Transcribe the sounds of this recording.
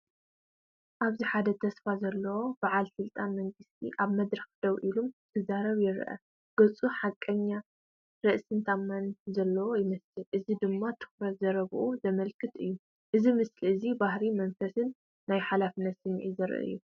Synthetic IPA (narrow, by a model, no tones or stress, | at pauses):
ʔaβziħad̪ɐt̪ʰɐsfazɐlːɐwo̞baʕalsɨlt̪ʼanmɐŋɡɨst̪ʰiʔaβmɐd̪ɾɐxd̪̥ɐwʔilumt̪ʰɐzaɾɐβjɪɾʔɐ̰ | ɡ̥ɐt͡sʼuħakʼːɐɲːa | ɾɨʔsɨnt̪ʰamːanzɐlːɐwo̞jɪmɐslɨlʔɨzid̪ɨmːat̪ʰɨ̥xɾɐt̪zɐɾɐβʔuzɐmɐlkʰɨt̪ɨjːu | ʔɨzimɨsliɨzibahɾimɐnfɐsɨnː | ajħalafɨnːɐt̪sɨmʕizɨɾʔɨ̰jːu